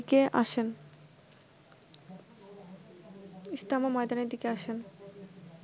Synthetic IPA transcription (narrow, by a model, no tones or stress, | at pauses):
keʔa̰ʃen | ist̪amamɔjd̪aned̪ikeaʃen